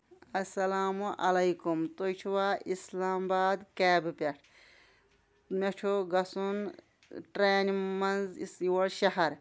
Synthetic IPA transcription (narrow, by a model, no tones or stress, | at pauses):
ɐsɐlaːmuʔɐlɐjkumt̪ojt͡ʃʰuwaːislaːmbaːd̪keːbɨpʲeʈʰ | met͡ʃʰuɡɐsun | ʈɾeːnmɐnzswɐlʃɐɦɐɾ